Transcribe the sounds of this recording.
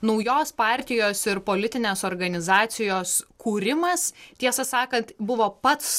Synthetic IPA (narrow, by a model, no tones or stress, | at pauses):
nɐʊjoːspɑːɾʲt̪ʲɪjoːsɪɾpoːlʲɪt̪ʲɪnʲeːsoːɾɡɐnʲɪzɑːt̪sʲɪjoːskuːɾʲɪmɐst̪ʲiɛsɐsɑːkɐnt̪bʊʋoːpɐt̪s